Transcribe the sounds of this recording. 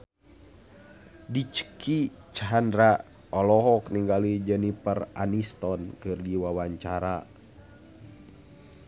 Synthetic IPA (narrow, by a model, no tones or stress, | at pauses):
dit͡ʃə̥kʰit͡ʃaɦandɾaʔ | ɔlɔɦɔkniŋɡalid͡ʒɛnipəra̰nist̪ɔnkɨrdiwawaɲt͡ʃaɾa